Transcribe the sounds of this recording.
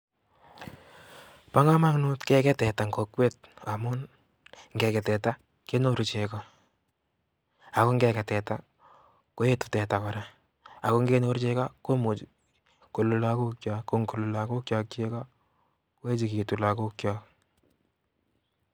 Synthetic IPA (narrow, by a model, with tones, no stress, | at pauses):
pa˦ŋa˦ma˦ŋno˦tkɛ˦kɛ˦tɛ˨ta˨ŋko˨kwe˦t̚a˨mʊ˦n | ŋɡɛ˨kɛ˨tɛ˨ta˦ | ke˦no˦ɾt͡ʃe˨ka˨ | a˨ko˦ŋɡɛ˦kɛ˨tɛ˨ta˦ | ko˦e˦tu̥˨tɛ˨ta˨kɔ˨ɾa˨ | a˨ko˦ŋɡe˦no˦ɾt͡ʃe˦ka˦ko˦mu˨ | ko˨lu˨laku˦kt͡ʃakːo˦ŋku˨lʊ˨la˨ku˦kt͡ʃa˨k̚t͡ʃe˦ka˦ | ko˦e˦t͡ʃi˨ki˨tu˨la˨ku˦kja˦k